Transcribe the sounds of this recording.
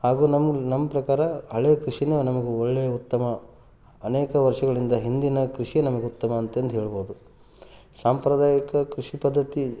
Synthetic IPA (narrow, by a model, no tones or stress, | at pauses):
haːɡuːnɐmnɐmːɐpɾɐkaːɾɐɦɐɭeːɐkɾiʂinɐnɐmɐɡeoɭːejɐut̪ːɐmɐː | neːkɐʋɐɾʂɐɡɐɭind̪ɐɦind̪inɐkɾiʂijenɐmɐɡeut̪ːɐmɐːnt̪eːnd̪ɦeːɭiboːud̪u | saːmpɾɐd̪aːjikɐkɾiʂipɐd̪ːɐt̪i